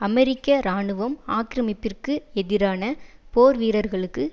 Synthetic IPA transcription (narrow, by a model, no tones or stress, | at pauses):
ɐmɛɾɪkːɐɾaːɳɯʋɐmaːkɪɾɐmɪpːɪrkɯɛðɪɾaːnɐpoːɾʋiːɾɐɾɣɐɭɯkːɯ